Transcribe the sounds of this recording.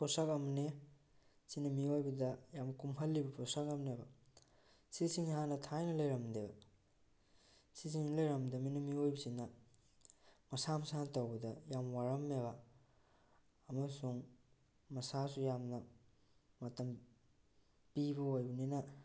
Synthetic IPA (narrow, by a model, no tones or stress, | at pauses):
pʰosakɐmne | sinɐmiojbɐdɐjamkumɦɐlːibɐpʰɔsakɐmnebɐ | sisiŋɦanɐtʰajnɐlɐjɾɐmdebɐ | sisiŋnɐlɐjɾɐmdɐminɐmiojbɐsinɐ | mɐsamɐsanɐtɐwbɐdɐjamwaɾɐmːeβa | mɐsuŋ | mɐsas̬ujamnɐ | mɐtɐm | pibɐojbɐninɐ